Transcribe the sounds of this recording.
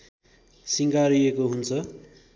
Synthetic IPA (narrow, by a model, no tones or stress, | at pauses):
siŋkaɾiekoɦunt͡sʰʌ